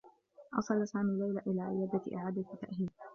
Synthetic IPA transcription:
ʔɑ̰sˤɑlsaːmiːlajlaʔɪlaːʕɪ̰jaːd̪aʔɪ̰ʕaːd̪at̪ːaʔɦiːd̪

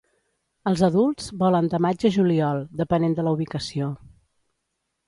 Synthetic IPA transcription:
əlˠzəðulˠz̥bɔlənd̪əmad͡ʒəʒuliɔlˠd̪əpənend̪ələuβikəsio

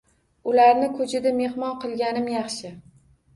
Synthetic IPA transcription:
ʊlaɾnɪkʰɵt͡ʃʰɪd̪ame̞hmɒnqʰɨlˠɡʲanɪmjɑχʃɪ

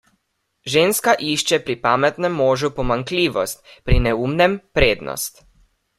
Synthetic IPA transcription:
ʒeːnskaʔiːʃt͡ʃɛpɾipaːmɛt̪nɛmːoːʒupɔmaŋkliːʋɔst̪pɾinɛumnɛmpɾeːd̪nɔ̰st̪

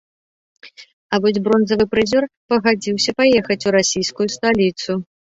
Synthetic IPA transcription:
abɔzʲbɾɔnzɐvɨpɾɨzʲɔrpɐɣad͡zʲiwsʲɐpajɛxɐt͡sʲuɾasʲijskujust̪alʲit̪su

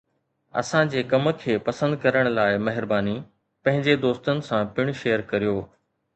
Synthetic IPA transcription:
ɐ̰sãd͡ʑeːkɐm̆kʰeːpɐsə̃nd̪kɐɾəɽ̃laːɪmɐɦɪɾbaːni | pɐ̃ɦɪ̃ɲd͡ʑed̪oːst̪ənɪ̆sãpɪɽ̃̆ʃeːəɾkɐɾijoː

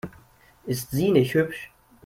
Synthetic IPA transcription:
ʔɪstz̥iːnɪçthʏpʃ

